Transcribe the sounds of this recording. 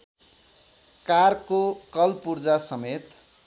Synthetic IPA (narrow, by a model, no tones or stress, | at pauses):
karkokʌlpurd͡zasʌmet̪